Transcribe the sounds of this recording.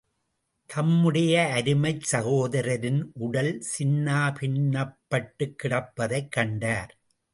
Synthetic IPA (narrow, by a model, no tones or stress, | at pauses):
t̪ʰɐmːɯɽɐjɐːɾɯmɐɪsɐɣoːðɐɾɐɾɪnʔʊɽɐlsɪnːaːpɪɳːɐpːɐʈːɯkːɪɽɐpːɐðɐɪkːɐɳɖaːɾ